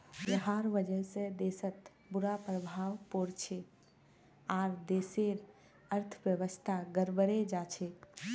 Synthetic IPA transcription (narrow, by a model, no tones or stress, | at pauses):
jəɦaɾʋəd͡ʒənsẽd̪esət̪ | buɾapɾəbʱawpoɾt͡ʃʰe | aɾd̪eseɾ | əɾt̪ʰəbjəʋəst̪ʰaɡəɾbəɾed͡ʒat͡ʃʰe